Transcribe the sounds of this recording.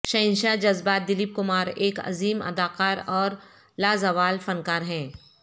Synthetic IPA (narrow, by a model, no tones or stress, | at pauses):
ʃɐɪnʃad͡ʒɐzbaːt̪̚d̪ɪliːp̚kʊmaːɾeːkɐ̰ziːmɐ̰d̪aːqaːɾɔːɾ | laːzɐʋaːlfɐnkaːɾɦɛ̃ː